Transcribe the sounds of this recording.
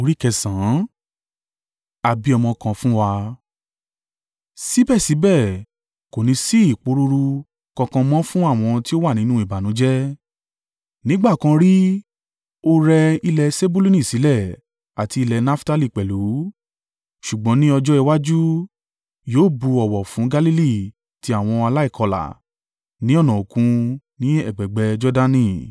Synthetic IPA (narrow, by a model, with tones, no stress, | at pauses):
o˧˦ɾi˦kɛ˧sã˨˦ | a˨bi˨˦ɔ˧mɔ̃˧kã˧fũ˦wa˧ | si˦bɛ˦˨si˨˦bɛ˦˨ | ko˨nĩ˧˦si˦i˦˨k͡po˨˧˦ɾu˦˧ɾu˧ | kã˧kã˧mɔ̃˦fũ˦a˦˨w̃ɔ̃˧ti˦o˦wa˦˨nĩ˨˦nũ˦i˦˨ba˨nũ˨˦d͡ʒɛ˦ | nĩ˦ɡ͡ba˦˨kã˧ɾi˦ | o˦ɾɛ˧i˧lɛ˧se˦bu˦lu˦nĩ˦˨si˨˦lɛ˦˨ | a˨ti˧i˧lɛ˨˧na˦fta˦li˦˨k͡pɛ˨lu˨˦ | ʃu˨ɡ͡bɔ̃˨˦nĩ˦ɔ˧d͡ʒɔ˦i˧wa˦d͡ʒu˦ | joː˦bu˧ɔ˨wɔ˨fũ˨˦ɡa˦li˦li˦˨ | ti˧˦a˨w̃ɔ̃˧a˧la˦i˦˨kʰɔ˧la̰˨ | nĩ˨˦ɔ˦˨nɔ̃˨o˨kũ˧ | nĩ˦ɛ˦˨ɡ͡bɛ˨ɡ͡bɛ˧d͡ʒɔ˦da˦nĩ˦˨